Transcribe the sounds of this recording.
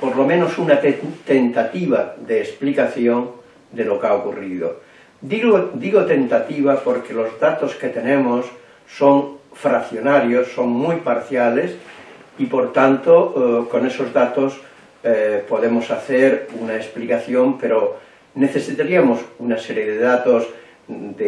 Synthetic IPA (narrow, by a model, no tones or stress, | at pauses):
poɾlo̞mẽno̞sunat̪ent̪at̪iβaðeːsplikaθjon | d̪elo̞kaokuriðo̰ | d̪iɣod̪iɣot̪e̞nt̪at̪iβ̞apo̞ɾke̞lo̞zðat̪o̞ske̞t̪e̞nẽmosː | o̞ŋfɾaθjonaɾjosːo̞ŋmujpaɾθjalesipo̞ɾt̪ant̪oko̞ne̞so̞zðat̪os | poðe̞mo̞saθeɾunaesplikaθjompe̞ɾo | ne̞θe̞sit̪aɾiamo̞sunaseɾje̞ðeðat̪oz | d̪e